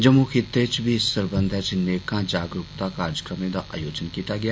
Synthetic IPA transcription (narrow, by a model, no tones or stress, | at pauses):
d͡ʒəmukʰɪt̪ːet͡ʃbʱiɪsːəɾbə̃nd̪ʱɛt͡ʃneːkãːd͡ʒaːɡɾʊkt̪aːkaːɾd͡ʒəkɾəmẽːd̪a̰ːʔa̰ːjoːd͡ʒənkiːt̪aːɡɪjaː